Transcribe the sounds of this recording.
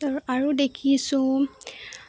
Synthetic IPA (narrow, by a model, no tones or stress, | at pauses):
tɔɹaɹudekʰisũ